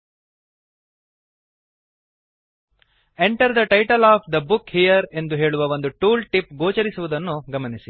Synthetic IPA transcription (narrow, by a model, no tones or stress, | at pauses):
eɳʈɐɾd̪ɐʈɐjʈɐlaːpʰd̪ɐbukhijɐɾe̞nd̪uɦe̞ːɭuʋɐʋo̞nd̪uʈuːlʈipɡoːt͡ʃɐɾisuʋud̪ɐnːuɡɐmɐnisi